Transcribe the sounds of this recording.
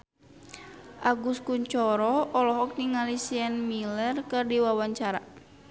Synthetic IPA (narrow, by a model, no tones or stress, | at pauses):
ʔaɡuskuɲt͡ʃɔɾɔɔlɔɦɔk̚niŋalisianmilɛrkɨrdiwawaɲt͡ʃaɾa̰